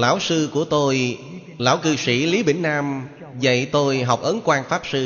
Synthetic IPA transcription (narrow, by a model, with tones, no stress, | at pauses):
la̰ː˧˩wsɨ˧ku˧˩ət̪o˧j | la̰ː˧˩wkɨ˧sḭ˧˩li˨˦ɓḛ˧˩ŋ̟naː˧m | zə̰˧˨jt̪o˧jɦa˨˩wk͡p̚ʔə˨˦nkwaː˧nfaː˦˥p̚sɨ˧